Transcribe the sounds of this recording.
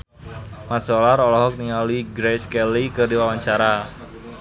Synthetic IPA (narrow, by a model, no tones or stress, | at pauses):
masɔlaɾɔlɔɦɔk̚niŋaliɡɾeskɛlikərdiwawaɲt͡ʃaɾa